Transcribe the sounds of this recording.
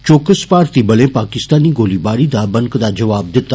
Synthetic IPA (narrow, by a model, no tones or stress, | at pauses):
t͡ʃoːkəspaːɾt̪ibɐlẽpaːkɪst̪aːniɡoːlibaːɽid̪abɐŋkd̪ad͡ʒɐʋaːb̚d̪ɪt̪ːa